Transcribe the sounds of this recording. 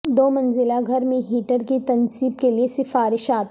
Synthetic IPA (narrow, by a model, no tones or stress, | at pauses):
d̪oːmɐnzɪlaɡʱɐɾmẽɦiːʈəɾkit̪ɐnsiːbkeliesɪfaːɾɪʃaːt̪